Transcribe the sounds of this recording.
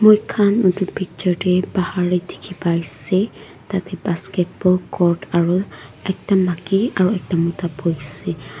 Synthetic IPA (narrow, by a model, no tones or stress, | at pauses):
mojkʰanutʊpʰik̚t͡ʃɔɹdɛbahaɹitʰi̥kʰipajsɛ | tatɛbaskɛt̚bɔlkʰɔɹtaɹuɛk̚tamakiaɹuɛk̚tamɔtapojsɛ